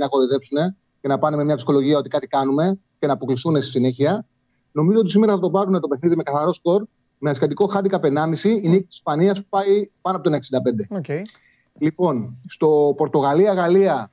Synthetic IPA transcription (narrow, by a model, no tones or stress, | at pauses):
nɐko̞ɾiðe̞psune̞ | ce̞nɐpɐnememɲɐpsixo̞lo̞ʝiɐo̞t̪ikɐt̪ikɐnume̞ | ce̞nɐːpo̞klisθune̞st̪i̥sine̞çiɐ | no̞mizo̞ot̪is̬imeɾɐθɐt̪o̞pɐɾune̞t̪ope̞xniðime̞kɐθɐɾo̞sko̞ɾ | meɐskɐt̪iko̞xɐd̪ikɐpe̞nɐmisiːnikt̪sispɐniɐspu̥pɐipɐnoponeksind̪ɐpe̞nd̪e̞ | lipo̞nst̪o̞po̞ɾt̪o̞ɣɐliɐɣɐliɐ